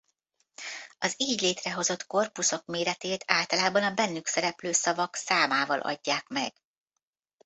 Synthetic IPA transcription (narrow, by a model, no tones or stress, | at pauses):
ɒziːɟleːt̪rɛɦo̞zo̞t̪ko̞rpuso̞kmeːɾɛt̪eːt̪aːlt̪ɒlaːbɒnɒbɛnːyksɛɾɛpløːsɒvɒksaːmaːvɒlʔɒ̰ɟːaːkmɛ̰ɡ̥